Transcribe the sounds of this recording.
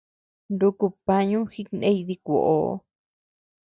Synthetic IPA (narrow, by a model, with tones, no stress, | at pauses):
nd̪u˧ku˧pa˧ɲũ˦xi˦knẽ˦i˧ði˧kʷo̰˨ʔo˨˦